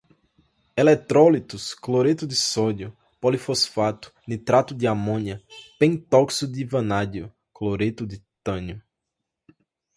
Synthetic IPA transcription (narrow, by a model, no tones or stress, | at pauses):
elɛt̪ɾɔlit̪ʊskloɾet̪ʊd̪ɪsɔd̪jʊ | polifosfat̪ʊ̥nɪt̪ɾat̪ʊd̪ɪamõnjɐpẽt̪ɔksʊd̪ivɐ̃nad̪jʊ̰ | kloɾet̪ʊd̪ɪt̪ɐ̃njʊ